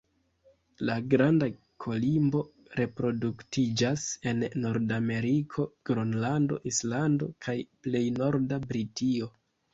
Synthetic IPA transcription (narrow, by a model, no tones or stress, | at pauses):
laɡɾanda | kʰo̞limbo̞ | ɾe̞pɾo̞duktid͡ʒase̞nːo̞ɾdame̞ɾikʰo̞ɡ̥ɾonlando̞̰ʔislando̞̰kʰajple̞jno̞ɾdabɾitio̞